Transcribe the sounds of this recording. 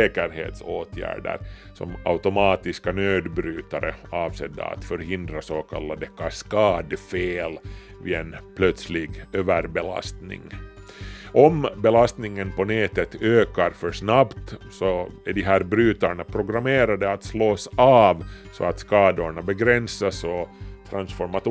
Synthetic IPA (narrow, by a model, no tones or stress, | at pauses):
eːkəɾɦḛːt̪soːt̪ʰjæ̰ːɖə̰ɾ | sɔ̰ma̰ʉt̪ʊmɑːt̪ɪskanøːd̪bɾyːt̪aɾə̰ɑːʋsɛd̪ːa̰a̰t̪fœɾhɪnd̪ɾasoːkʰa̰lːad̪əkʰaskɑːd̪əfeːl | viɛnpʰlœt̪slɪɡøːʋæɾbɛla̰st̪nɪ̰ŋ | ʔɔmbɛlast̪nɪŋənpɔneːt̪ət̪øːkaɾfœɾʂnabt̪sɔæɖɪɦæːɾbɾyːt̪aɳapʰɾʊɡɾameːɾad̪əat̪sloːsɑːvsɔ̰at̪skɑːd̪ʊɳabɛɡɾɛnsasɔt̪ʰɾansfɔɾmat̪